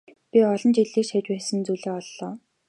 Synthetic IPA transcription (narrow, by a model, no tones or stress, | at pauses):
pʲiɔɮɞ̆nt͡ɕiɮeːʃæt͡ɕpæːsə̆nt͡suɮeːɔɮːɔː